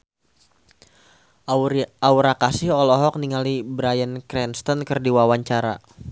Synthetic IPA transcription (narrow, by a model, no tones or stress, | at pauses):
auɾakasɪhɔlɔɦɔk̚niŋalibɾajənkɾɛnst̪ɔnkɨrdiwawaɲt͡ʃaɾa̰